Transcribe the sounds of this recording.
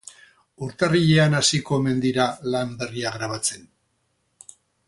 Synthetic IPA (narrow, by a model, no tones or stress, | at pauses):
uɾt̪ariʎe̞anasiko̞eme̞nd̪iɾalambe̞riaɣɾaβ̞at͡se̞n